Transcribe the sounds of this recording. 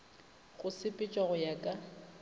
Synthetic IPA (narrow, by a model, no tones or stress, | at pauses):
ɣʊsɪpʼɪt͡ʃʼwaɣʊjakʼa